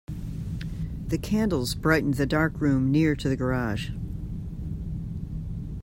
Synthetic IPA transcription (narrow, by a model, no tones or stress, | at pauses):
ðɨkʰæ̃ndˡl̩ˠzbɹaɪʔn̩ðɨdɑɹkɹʉ̃mnɪɹɾɨðɨɡə˞ɑʒ̥